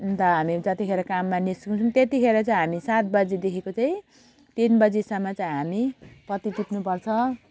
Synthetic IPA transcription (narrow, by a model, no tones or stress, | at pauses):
t̪ʌɦamid͡zʌt̪ikʰeɾʌkamːanisũt͡sʰumt̪et̪ikʰeɾʌt͡saĩɦamisat̪̚bʌd͡zid̪ekʰekot͡saĩ | t̪inbʌd͡zisʌmːʌt͡saĩɦamiprʌt̪it̪ipnupʌrt͡sʰʌ